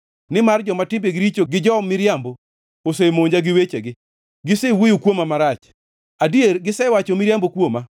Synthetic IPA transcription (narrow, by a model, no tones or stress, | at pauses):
nɪmard͡ʒɔmatɪmbeɡɪɾit͡ʃoɡɪd͡ʒɔmɪɾjambo | osemoɲd͡ʒaɡɪwet͡ʃeɡɪ | ɡɪsewijukwomamaɾat͡ʃ | adierɡɪsɛwat͡ʃomɪɾjambokwoma